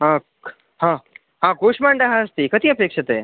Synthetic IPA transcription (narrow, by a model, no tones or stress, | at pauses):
ɦã | ɦã | ɦãkoɕmaɳɖaɦãəst̪iːkət̪iːəpekʂət̪e